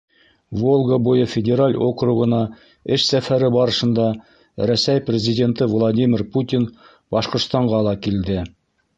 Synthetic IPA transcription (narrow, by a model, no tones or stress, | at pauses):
volˠɡəbujɤfʲɪdʲeɾalʲokruʁɤ̆nɑ | ɘʃsæfæɾɘbɑɾɤ̆ʃɤ̆nd̪ɑ | ɾæsæjprʲɪzʲidʲe̞nt̪ɤvlˠadʲimʲɪrput̪ʲin | bɑʃqŏɾst̪ɑɴʁɑlˠɑkild̪ɘ